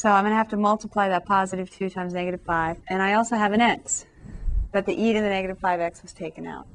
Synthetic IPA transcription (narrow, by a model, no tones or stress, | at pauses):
soʊãɪ̃mɡʌ̃nɨɦæftɨmʌlˠtəpʰl̥aɪðɨt̚pʰɑzɨɾɨv̥tʰʉtʰãɪ̃mznɛɡɨɾɨv̥faɪvɨ̃ñaɪɔlˠsoʊɨvɨ̃ñɛ̃nks | b̥ʌt̪̚ðiʔiɾɨ̃nðɨnɛɡɨɾɨv̥faɪvɛkswʌz̥tʰeɪkɨ̃na̰ʊt̚